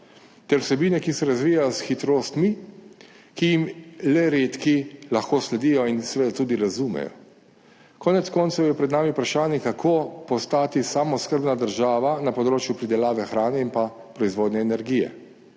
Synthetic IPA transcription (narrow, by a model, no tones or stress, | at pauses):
t̪ɛɾwsɛbiːnɛkisɛɾazʋiːjajɔsxit̪ɾoːst̪mi | kijimlɛɾet̪kilaxkoːslɛd̪ijɔinsʋɛd̪at̪uːd̪iɾazumɛ̰jɔ̰ | kɔːnɛt̪skɔːnt̪sɔwjɛpɾɛd̪naːmiupɾaʃaːnɛkakʰoːpɔst̪aːt̪isaːmɔskəɾbnad̪əɾʒaːʋanapɔd̪ɾoːt͡ʃjupɾid̪ɛlaːʋɛxɾaːnɛinpa | pɾɔizʋoːd̪nɛːnɛɾɡiːjɛ̰